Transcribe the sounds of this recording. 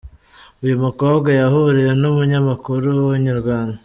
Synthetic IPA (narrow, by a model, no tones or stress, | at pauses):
ujumuko̞ːbɡajahuɾiɾe̞numuɲamakuɾuwuɲiɾɡwaːndo